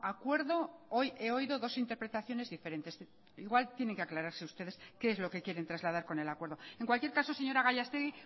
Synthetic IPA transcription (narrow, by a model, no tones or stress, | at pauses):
akwe̞ɾðo̞o̞je̞o̞iðo̞ðo̞sint̪epɾe̞t̪aθjo̞ne̞zðife̞ɾe̞nt̪e̞s | iɣwalt̪je̞ne̞ŋkeaklaɾaɾseust̪e̞ð̞e̞skeezlo̞ke̞kje̞ɾe̞nt̪ɾazlaðaɾko̞ne̞lakwe̞ɾð̞o̞e̞ŋkwalkje̞ɾkaso̞se̞ɲo̞ɾaɣaʎast̪eɣi